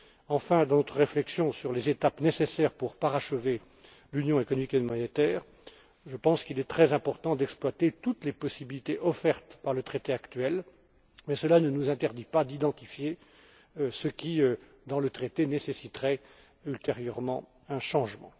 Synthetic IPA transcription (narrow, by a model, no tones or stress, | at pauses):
ɑ̃fɛ̃d̪ɑ̃nɔt̪χəʁeflɛksjɔ̃syʁlezet̪apnesesɛːʁpuʁpaʁaʃəve | lynjɔ̃ekɔnɔmikemɔnet̪ɛːʁ | ʒəpɑ̃skilɛt̪χɛzɛ̃pɔʁt̪ɑ̃d̪ɛksplwat̪et̪ut̪lepɔsibilit̪eʔɔfɛʁt̪paʁlət̪χet̪eakt̪ɥɛl | mɛsəlanənuzɛ̃t̪ɛʁd̪ipad̪id̪ɑ̃t̪ifje | səkʲiø | d̪ɑ̃lət̪χet̪enesesit̪ʁɛ | ylt̪eʁjœʁmɑ̰̃ | ɛ̃ʃɑ̃ʒmɑ̰̃